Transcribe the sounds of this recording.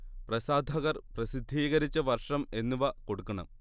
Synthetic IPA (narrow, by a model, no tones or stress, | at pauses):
prɐsaːd̪ʱɐɣɐrprɐsid̪ʱːiːɣɐɾit͡ɕːɐʋɐrʂɐme̞nːuʋɐko̞ɽukːɐɳɐ̰m